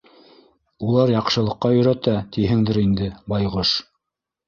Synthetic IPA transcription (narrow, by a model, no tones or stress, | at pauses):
ulˠɑɾjɑqʃɤ̆lˠɤ̆qːɑjɵ̆ɾæt̪æt̪iɦɘŋd̪ɘɾind̪ɘbɑjʁoʃ